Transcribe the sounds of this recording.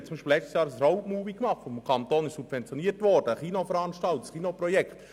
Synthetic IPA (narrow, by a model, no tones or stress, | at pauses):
t̚t͡sʊmbiʃpilɛt͡ʃtsjɑːɾəsrɔʊtmuːbikmɑχtfɔmkʰɑnt̪oːnɪʃsubvɛnt͡sjɔniətʋɔrd̥əχinofəɾɑnʃtɑltsχinopɾɔjɛkχt